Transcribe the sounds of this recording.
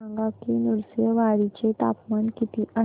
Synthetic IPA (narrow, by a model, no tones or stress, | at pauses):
ãŋɡakinuɾsjəʋaɽit͡ɕet̪a̰pmankit̪iʔə